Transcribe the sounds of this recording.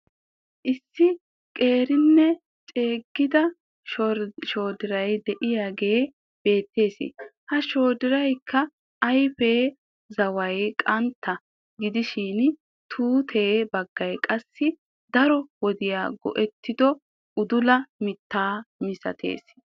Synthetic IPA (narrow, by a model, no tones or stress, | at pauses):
ʔɪsːɪ | kʼe̞ːɾɪnːɛ | t͡ʃʼe̞ːɡːɪd̪ɐ | ʃʃoːd̪ɪɾɐjd̪ɛʔɪjaːɡe̞ː | b̥e̞ːt̪ːe̞ːsɪ̰hɐʃo̞ːd̪ɪɾɐjkʰːɐː | jfeː | zɐwɐjkʼɐnt̪ʰːɐ | ɡɪd̪ɪʃin | t̪ʰuːt̪ʰe̞ːbɐɡːɐjkʼɐsːɪ | d̪ɐɾɔwɔd̪ɪjaːɡɔ̰ʔɛt̪ʰːɪd̪ɔ | ʔʊd̪ʊlɐmɪt̪ːaːmɪsɐ̰t̪ʰe̞̰ːs